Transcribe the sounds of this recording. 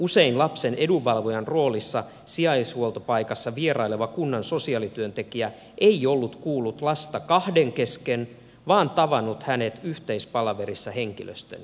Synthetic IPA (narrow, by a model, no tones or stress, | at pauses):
useinlɑpsenʔeduʋɑlʋojɑnro̞ːlisːɑ | siɑishuolt̪opɑikɑsːɑʋierɑileʋɑkunːɑnso̞siɑːlit̪yønt̪ekiæ | ʔeiolːut̪kuːlːut̪lɑst̪ɑkɑhdeŋkesken | ʋɑːnt̪ɑʋɑnːut̪hænet̪yht̪eispɑlɑʋeɾisːɑheŋkilø̰st̪ø̰n